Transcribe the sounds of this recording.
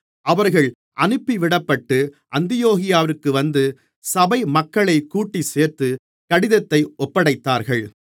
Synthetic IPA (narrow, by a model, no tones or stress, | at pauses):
ʔɐʋɐɾɣɐɭ | ʔɐnɯpːiʋɪɽɐpːɐʈːɯ | ʔɐnd̪ɪjoːɣɪjaːʋɪɾɯkːɯʋɐnd̪ɯ | sɐbɐɪmɐkːɐɭɐɪkːuːʈːiseːɾt̪ɯ | kɐɽɪðɐt̪ːɐɪʔɔpːɐɽɐɪt̪ːaːɾɣɐɭ